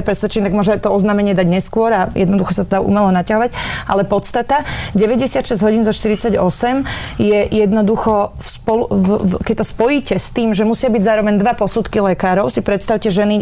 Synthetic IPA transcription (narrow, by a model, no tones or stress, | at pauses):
pɾɛsʋɛt͡ʃint̪aɡmʊɔʒɛt̪ɔɔznaːmɛɲɪɛd̪aɟɲɛskʊɔɾajɛd̪nɔd̪uxɔsat̪ɔd̪aṵmɛlɔnacaɦɔʋaɟʔalɛpɔt̪st̪at̪aɟɛʋɛɟɛsɪat̪ʃɛzɟɦɔɟinzɔʃt̪iɾit͡saɟɔsɛmjɛjɛd̪nɔd̪uxɔfspɔlukɛc̚t̪ɔspɔjiːcɛst̪iːmʒɛmusɪabiɟzaːɾɔʋɛɲd̪ʋapɔsut̪kilɛkaːɾɔʊsipɾɛt̪st̪aʊcɛʒɛni